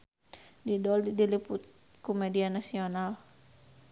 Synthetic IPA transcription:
didɔldiliput̪̚ | kumɛdianasional

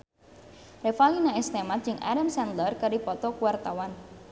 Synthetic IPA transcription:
refalinaɛst̪emat̪̚d͡ʒɪŋʔa̰ɾamsɛnd̪lərkəɾipɔt̪ɔkuwart̪awan

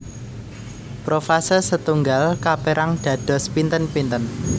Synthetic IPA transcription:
pɾofasərsət̪uŋɡalkapeɾaŋd̥ä̤ɖ̥ɔ̤spint̪ənpint̪ən

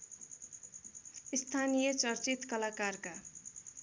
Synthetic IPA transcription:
ist̪ʰanijʌt͡sʌrt͡sit̪kʌlakarka

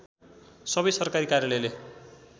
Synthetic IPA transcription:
sʌbʌjsʌrkaɾikarjalʌjle

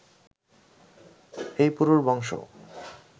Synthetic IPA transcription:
ejpuɾuɾbɔŋʃo̰

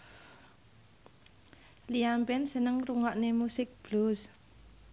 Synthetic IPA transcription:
liampɛnsənəŋruŋaʔnemusɪk̚b̥lus

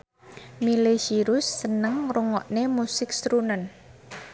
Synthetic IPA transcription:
milesiɾʊsːənəŋruŋɔʔnemusɪk̚sɾunən

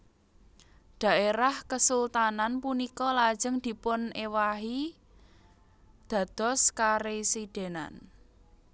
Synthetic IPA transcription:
d̪̥a̤ʔeɾahkəsult̪ananpunikɔlḁʒ̥ə̤ŋd̪̥i̤pʊnewaɦi | d̪̥ä̤d̪̥ɔ̤skaɾesid̪̥e̤na̰n

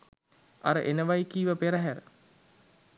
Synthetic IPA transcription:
a̰ɾəʔenəʋajkiːʋəpeɾəɦæɾə̰

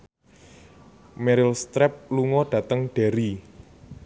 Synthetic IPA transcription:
mɛɾɪlst̪ɾɛp̚luŋɔɖ̥ä̤t̪əŋɖ̥e̤ɾi

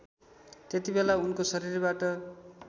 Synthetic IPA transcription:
t̪et̪ibelaunkosʌɾirbaʈʌ

